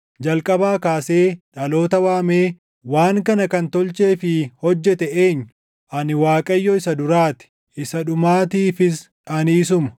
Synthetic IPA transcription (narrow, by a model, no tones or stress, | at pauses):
d͡ʒɐlkʼɐbaːkaːse̞ːᶑɐlo̞ːt̪ɐwaːmeː | waːŋkɐnɐkɐnt̪ɔlt͡ʃe̞ːfɪhɔd͡ʒːɛt̪ɛeːɲːʊ | ʔɐnɪwaːkʼɐjːɔɪsɐd̪ʊɾaːt̪ɪ̥ | ʔɪsɐᶑʊmaːt̪iːfɪs | ɐniːs̬ʊmɐ̥